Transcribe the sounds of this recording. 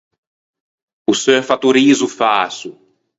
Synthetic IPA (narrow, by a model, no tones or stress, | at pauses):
usøfat̪uɾizʊfasʊ